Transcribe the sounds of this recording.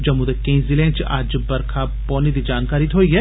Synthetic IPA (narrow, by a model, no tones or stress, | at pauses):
d͡ʒɐmud̪ekẽĩzɪlẽnt͡ʃaːd͡ʒbɐɾkʰa | pɔːned̪id͡ʒaːnkaːɾit̪ɦoːiɦɛ